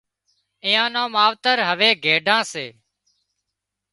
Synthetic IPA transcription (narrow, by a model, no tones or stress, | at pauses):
ɪ̃jãːnãːmaːʋt̪əɾɦəʋeːɡʱeːɖʱãːseː